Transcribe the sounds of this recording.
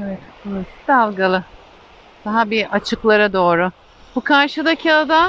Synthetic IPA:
evɛt̪ulˠasʰi̥d̪alˠɡalˠɯ | d̪̥aɦabiat͡ʃʰɯklˠaɾad̪o̞ːɾʊ | bukʰaɾʃɯd̪acʰiad̪am

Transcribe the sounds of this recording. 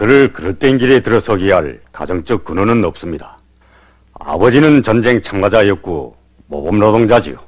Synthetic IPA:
kɯɾɯɭkɯɾʌt͈enɡiɾetɯɾʌsʰʌiɦaɭka̰d͡ʑʌŋt͡ɕ͈ʌk̚k͈unonɯnʌp̚s͈ɯmɲidḁ | a̰bʌd͡ʑinɯnt͡ɕʌnd͡ʑe̞ŋt͡ɕʰamɡad͡ʑaejʌk̚k͈o | mʌ̰bʌmɾʌdoŋd͡ʑad͡ʑḭo̰

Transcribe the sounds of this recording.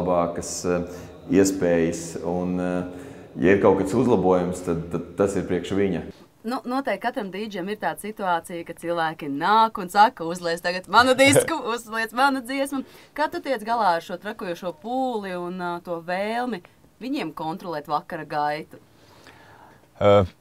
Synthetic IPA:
bɑːkəs | iɛspɛːjəsun | ja̰iɾkawkat̪suzlˠabuɔjumst̪ad̪t̪ad̪t̪ːasiɾpɾiɛkʃʋiɲɐ | nunuɔt̪ɛjkːat̪ɾamd̪iːd͡ʒɛmiɾt̪aːd̪sit̪uaːt̪sijkatsilˠʋæːkʲinaːkunsakɐuzlˠɛst̪aɡat̪manud̪iskuuzliɛsmanɐd̪ziɛsmɐkaːt̪ut̪iɛt̪sɡalˠaːaɾʃuɔt̪ɾakuɔːjuɔʃuɔpuːlˠiunt̪uɔveːlˠmi | viɲiɛmkɔnt̪ɾɔlˠɛːt̪ʋakaɾɐɡajt̪u̥

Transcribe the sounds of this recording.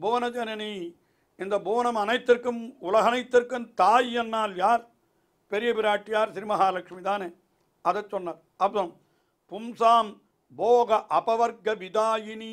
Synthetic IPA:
boːʋɐnɐd͡ʒɐnɐni | ɪnd̪ɐbuːʋɐnɐmɐnɐɪt̪ːɪɾkɯmʊlɐɣɐnɐɪt̪ːɪɾkɯmt̪aːjɛnːaːljaːɾ | pɛɾɪjɐpɪɾaːʈːɪjaːɾsɪɾimɐɦaːlɐkʂmit̪aːneː | ɐðɐsɔnːɐɾ | ɐpːɐɐm | pʊmsaːm | boːɣɐʔɐpɐʋɐɾɡɐʋɪd̪aːjɪni

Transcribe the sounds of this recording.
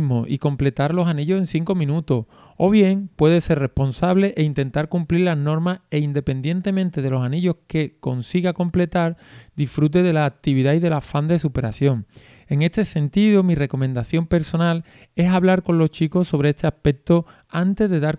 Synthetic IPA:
moʔiko̞mple̞t̪aɾlo̞saniʎose̞nθiŋko̞mĩnut̪oh | oβ̞je̞ŋpwe̞ðe̞se̞rre̞hpo̞nsaβle̞ʔeint̪ẽ̞nt̪aɾkumpliɾlaɦno̞ɾmase̞ind̪e̞pe̞nd̪je̞nt̪e̞mẽnt̪e̞ð̞e̞lo̞saniʎo̞hke̞ko̞nsiɣako̞mple̞t̪aɾd̪ifɾut̪̬e̞ðe̞laːk̚t̪iβiðaiðe̞lafand̪e̞supe̞ɾa̰θjo̞ŋ | e̞ŋe̞st̪e̞se̞nt̪iðumire̞ko̞mẽnd̪aθjo̞mpe̞ɾso̞nal | e̞saβlaɾko̞nlo̞ht͡ʃiko̞so̞β̞ɾe̞est̪e̞ape̞k̚t̪o̞ | ant̪e̞zðe̞ðaɾ

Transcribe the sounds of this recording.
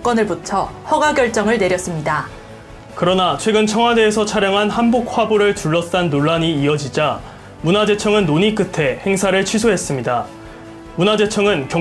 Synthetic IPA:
k͈ʌnɯɭbut͡ɕʰʌhʌɡaɡjʌɭt͡ɕ͈ʌŋɯɭne̞ɾjʌs͈ɯmɲida | kɯɾʌnat͡ɕʰwe̞ɡɯnt͡ɕʰʌŋɦwade̞ːsʰʌt͡ɕʰaɾjʌŋɦanhanbok̚ʰwaboɾɯɭtuɭːʌs͈anːoɭːaɲiːʌd͡ʑid͡ʑa | munad͡ʑe̞t͡ɕʰʌŋɯnːoɲik͈ɯtʰe̞he̞ŋsʰaɾɯɭt͡ɕʰɥisʰoɦe̞s͈ɯmɲida | munad͡ʑe̞t͡ɕʰʌŋɯnkjʌ

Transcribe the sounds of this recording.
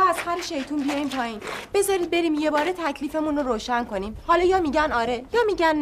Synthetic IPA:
æzhæɾeʃe̞jt̪ʰuːmbijɒːjimpʰɒːjiːnb̥e̞zɒːɾiːd̪̚be̞ɾiːmje̞bɒːɾet̪ʰæcʰliːfe̞munoɾoːʃænko̞niːmhɒːlɒːjɒːmiːɟænɒːɾe̞jɒːmiɟænː

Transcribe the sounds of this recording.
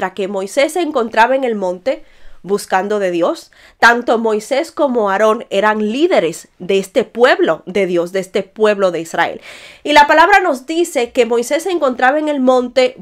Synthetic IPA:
ɾake̞mo̞jse̞sːeːŋko̞nt̪ɾaβaeŋe̞lmõ̞nt̪e̞βuskand̪o̞ðe̞ðjo̞s | t̪ant̪o̞mo̞jse̞sko̞mo̞aɾo̞ŋe̞ɾaŋliðe̞ɾe̞sd̪eest̪e̞pwe̞βlo̞ðe̞ðjo̞sðeest̪e̞pwe̞βlo̞ðe̞isra̰ḛlilapalaβɾano̞zd̪ise̞ke̞mo̞jse̞sːeːŋko̞nt̪ɾaβaeŋe̞lmõ̞nt̪e̞

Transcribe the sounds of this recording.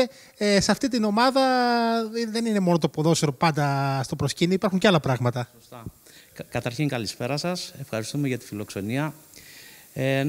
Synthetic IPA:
e | esɐft̪it̪̬ino̞mɐðɐ | ðe̞nine̞mo̞no̞t̪̬opoðo̞seɾopɐnd̪ɐst̪opɾosciniːpɐɾxuɲceɐlɐpɾɐɣmɐt̪ɐst̪ɐ | kɐt̪ɐɾçiŋkɐlispe̞ɾɐsɐse̞fxɐɾist̪ume̞ʝɐt̪i̥filo̞kso̞niɐ | e

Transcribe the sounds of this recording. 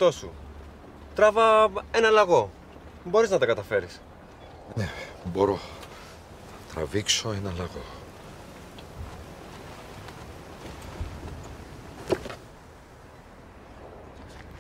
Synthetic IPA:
t̪o̞sṵ | t̪ɾɐvɐe̞nɐlɐɣo̞ | bo̞ɾiznɐt̪ɐkɐt̪ɐfe̞ɾis | nebo̞ɾo | ɐt̪ɾɐ̰viksoenɐlɐɣo

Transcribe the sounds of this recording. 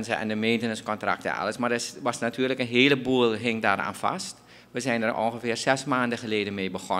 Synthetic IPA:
nzəɛ̰ndəmeːntənəskɔntra̰k̚tə̰a̰ləsmardɪʋasnatʰyːələkənɦeːləbuəlˠɦɪŋdaːra̰ːnfa̰st | ʋəzɛjnərʔo̰nxəfɪːrsɛsmaːndəxəleːdənmeːbəxo

